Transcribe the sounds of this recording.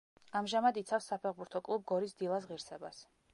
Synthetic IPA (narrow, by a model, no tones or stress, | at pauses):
amʒamad̪it̪sʰafsːapʰɛχbuɾt̪ʰɔkʼlˠub̚ɡɔɾisd̪ilˠas̬ʁiɾsɛbas